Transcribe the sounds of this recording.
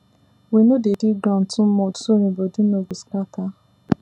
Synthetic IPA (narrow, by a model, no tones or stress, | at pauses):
wenodediɡãn̩tʊ̃m̩mɔ̃tu̥toɾĩbodũnobiskata